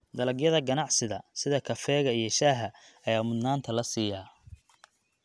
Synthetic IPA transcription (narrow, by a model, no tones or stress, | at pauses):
d̪ɐlɐɡjɐðɐɡɐnɑʕsɪðɐsɪðɐkʰɐfɛːɣɐijɞʃaːɦɐɐjaːmʊd̪naːnt̪ʰɐlɐsiːjaː